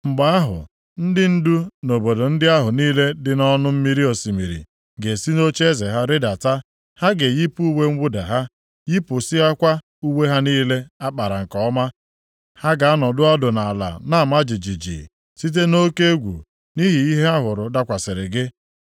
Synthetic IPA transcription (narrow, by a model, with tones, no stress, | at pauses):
ŋ͡m̩˨ɡ͡ba˨a˦ɦʊ̰˨ | n̩˦dɪ˦n̩˦du˦no˨bo˨do˨n̩˦dɪ˦a˦ɦʊ˨niː˦le˦dɪ˨nɔ˦nʊ˦m̩˦mi˦ɾi˦o˨si˨mi˨ɾḭ˨ | ɡe˨si˦no˦t͡ʃe˦ze˨ɦa˦ɾɪ˦da˨ta˦ | ha˦ɡe˨ji˦pu˦u˦we˦ŋ̩˦wʊ˦da˨ɦa˦ | ji˦pʊ˨si˦ɦa˦kʷa˦ | u˦we˦ɦa˦niː˦le˦a˦k͡pa˨ɾa˨ŋ̩˨kɔ˨˦ɔ˦ma˦ | ha˦ɡa˨a˦nɔ˨dʊ˦ɔ˦dʊ˨na˨a˨la̰˨na˦˨ma˦d͡ʒi˨d͡ʒi˨d͡ʒḭ˨ | si˦t̬e˦no˦ke˦e˦ɡʷṵ˨ | ni˦ɦi˨i˦ɦe˦a˦ɦʊ˨ɾʊ˨da˦˨kʷa˨sɪ˨ɾɪ˨ɡɪ˦